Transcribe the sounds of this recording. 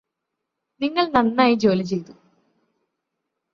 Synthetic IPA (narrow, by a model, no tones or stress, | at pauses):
niŋːɐɭnɐnːaːjid͡ʑo̞ːlit͡ɕe̞jt̪u